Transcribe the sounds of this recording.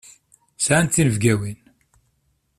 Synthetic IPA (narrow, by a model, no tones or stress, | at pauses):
sʕant̪θinəvɡæwin